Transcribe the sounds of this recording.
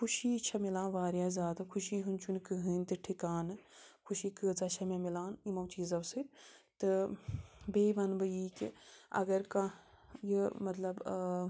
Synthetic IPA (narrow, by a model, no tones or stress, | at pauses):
kʰuʃiːt͡ʃʰɐmilãːnʋaːɾjaːzʲaːd̪ɐkʰuʃiːɦɨnt͡ʃʰunkɨɦɨːnt̪ɨʈʰikaːnɨkʰuʃiːkɨːt͡sɐt͡ʃʰɐmɐ̃milãːnimɐwt͡ʃiːzɐwsɨt̪ɨ | beːʋɐnbɐjiːkiɐ̰ɡɐɾkã | jɨmɐt̪lɐb